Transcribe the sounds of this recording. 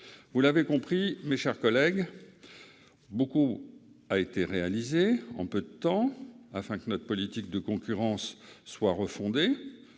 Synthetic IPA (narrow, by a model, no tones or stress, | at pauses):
vulavekɔ̃pχimeʃɛʁkɔlɛɡ | boku | aet̪eʁealizeɑ̰̃pød̪ət̪ɑ̃afɛ̃kənɔt̪χəpɔlit̪ik̚d̪əkɔ̃kʲyʁɑ̃sːwaʁəfɔ̃d̪e